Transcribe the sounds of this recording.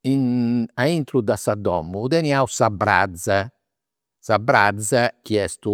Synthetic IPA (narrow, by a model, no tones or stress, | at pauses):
inaint̪ɾud̪asad̪ɔ̰mːuðɛniausabɾa̰d̪za | sabɾa̰d̪zak̟iɛst̪u